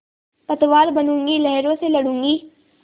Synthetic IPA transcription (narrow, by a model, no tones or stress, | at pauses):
pɐt̪ʋaːɾbɐnũːŋɡilɛɦɾõselɐɽũːŋɡi